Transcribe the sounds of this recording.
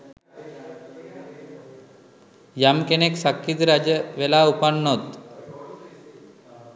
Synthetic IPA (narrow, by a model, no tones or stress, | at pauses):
jamkeneksakːit̪ɾad͡ʑəʋelaupaɳːot̪